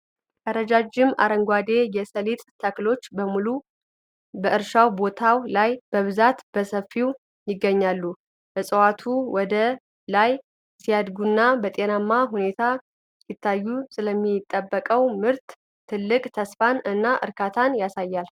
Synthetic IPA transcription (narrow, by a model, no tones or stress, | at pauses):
ʔəɾəd͡ʒad͡ʒɪma̰ɾəŋɡʷad̪e̞jɛsəlit̪t̪ʰəklo̞t͡ʃːbəmulu | bəʔɨɾʃawbo̞t̪ʰawlajb̥əβɨzat̪b̥əsəfːiw | jɪɡːəɲːalːu | bəsʼəwat̪ʰuwɔd̪ə | laj | sijad̪ɡunːabət̪ʼe̞namːaɦune̞t̪ʰa | jɪt̪ʰːajːusɨləmːit̪ʼːəbːəkʼəwmɨɾt̪ʰː | ɨlːɨkʼt̪ʰəsfanɨnːaʔɨ̰ɾkʰat̪ʰanjasajːal